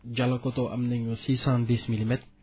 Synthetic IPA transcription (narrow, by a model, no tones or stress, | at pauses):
d͡ʒalakot̪oʔɐ̰mneŋusisand̪ismilimɛt̪̚